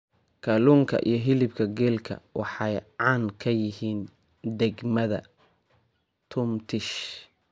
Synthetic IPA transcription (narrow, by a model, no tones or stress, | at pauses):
kʰɐluŋkʰɐ̰ʔḭjɞɦɪlɪb̚kʰɐɡɛːlkʰɐ̰wɑħɑjʕɑːnkʰɐjɪɦiːn | d̪ɛɡmɐðɐ̰ | t̪ʰʊmt̪ʰɪʃ